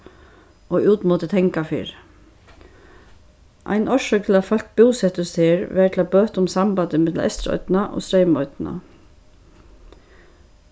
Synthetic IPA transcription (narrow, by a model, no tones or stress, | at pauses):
oːʉːt̪moːt̪ət̪ʰɛŋkafḭɹ | ʔa̰ɪnʔɔʃœk̚t̪ʰɪlafɑlk̚buːsɛt̪əst̪ʰeːɹʋæːʈʰlabøːt̪ʊmsɑmbɑd̪əmɛt̪l̩ʔɛ̰st̪ɾɔ̰ʏd̪nɑʔo̰ːst̪ɾɛɪmɔʏd̪̥na̰